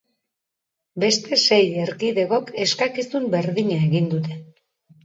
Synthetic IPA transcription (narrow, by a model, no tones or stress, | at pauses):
be̞st̪e̞se̞jeɾkiðe̞ɣo̞ke̞skakisumbe̞ɾðiɲaeɣind̪ut̪̬e̞